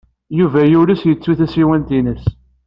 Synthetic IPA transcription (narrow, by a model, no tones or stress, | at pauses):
juvæjuɾisjət͡sːuθæsiwænt̪inəs